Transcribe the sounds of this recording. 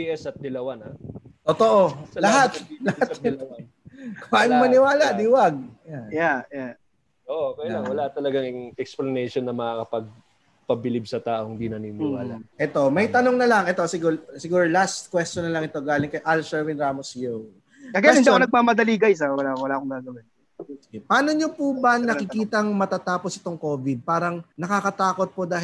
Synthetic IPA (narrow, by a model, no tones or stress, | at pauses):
iʔɛsɐt̪̚d̪ɪlɐwanaot̪oʔolɐɦat̪ːlɐhat̪l | ajmɐnɪwaːlad̪iwaɡ̚jaja | ʔoʔokɐjlaŋwɐlat̪ɐlɐɡaŋɪŋɛksplɐnɛjʃonːɐmɐakɐpɐɡ̚ | pɐbɪlib̚sɐt̪aːʔoŋd̪inɐninɪwaːla̰ʔɛt̪o̞mɐjt̪ɐnoŋnɐlɐŋʔɛt̪o̞sɪɡuɹsɪɡuːɹlast̪̚kwɛst͡ʃonɐlɐŋɛt̪o̞ɡaːlɪŋkɐjʔalsɛɹwɪnɾaːmosjo | kɐɡɐjaɪnd̪ikonɐɡ̚maːmɐd̪ɐliːɡɐjs̬ɛwɐlawɐlaːʔkoŋɡaːɡɐwɪn | sɡɛpɐaːnoɲopubɐŋnɐkɪkiːt̪ɐŋmɐt̪at̪aːposɪ̥t̪o̞ŋko̞ːbɪd̪̚paːɾɐŋnɐkakɐt̪aːkot̪̚pod̪aːh